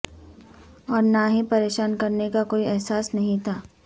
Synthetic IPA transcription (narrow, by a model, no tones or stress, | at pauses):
ɔːɾnaɦĩpɐɾeːʃaːnkɐɾnekakoːiɛɦsaːsnɐɦĩt̪ʰaː